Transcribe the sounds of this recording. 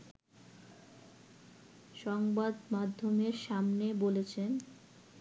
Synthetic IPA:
ʃɔŋbad̪mad̪ʱːomeɾʃamnebolet͡ɕʰen

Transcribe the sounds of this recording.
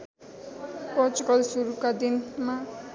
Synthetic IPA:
pʌt͡sukʌlsuɾukad̪inma

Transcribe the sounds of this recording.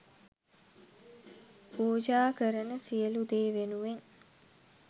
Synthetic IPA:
puːd͡ʒaːkəɾənəsijəlud̪eːʋenuʋeŋ

